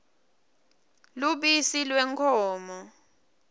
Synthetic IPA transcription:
luɓisilwɛŋkʰɔːmɔ

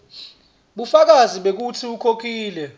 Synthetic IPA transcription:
ɓufak̬aziɓek̬utʰiukʰok̬ʰʼiːlɛ

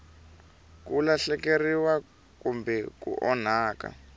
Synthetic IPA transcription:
kulaɬɛkeriwa | kumbʱɛkṵʔɔnaːka̰

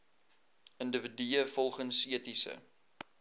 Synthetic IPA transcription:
əndəvədiəfɔlˠχənsiətisə̰

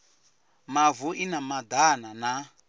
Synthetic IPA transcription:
mavuʔinamad̪anana

